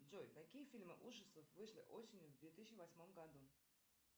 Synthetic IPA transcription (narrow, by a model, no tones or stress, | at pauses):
d̪zojt̪ɐkʲijəfʲilʲmɨʔuʐəst̪vəfvɨʂlʲɪ̰ʔosʲɪnʲjʊvd̪vʲet̪ɨsʲt͡ɕɪvɐsʲmo̞mɡɐd̪u